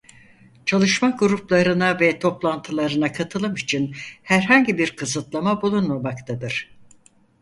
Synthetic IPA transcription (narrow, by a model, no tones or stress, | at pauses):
t͡ʃʰalˠɯʃmaɡuɾuplˠaɾɯnavɛt̪ʰo̞plˠant̪ʰɯlˠaɾɯnakʰat̪ʰɯlˠɯmit͡ʃʰinhæɾɦaɲɟibiɾkʰɯzɯt̪lˠamabulˠunmamakt̪ʰad̪ɯɾ̥